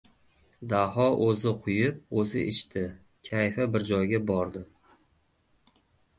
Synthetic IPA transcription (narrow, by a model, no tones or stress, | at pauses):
d̪ahɒʔɵzɪqʰʊjɪp̚ɵzɪ̰ʔɪʃt̪ɪ | kʲʰajfabɪɾd͡ʒɒjɡʲabɒɾd̪ɪ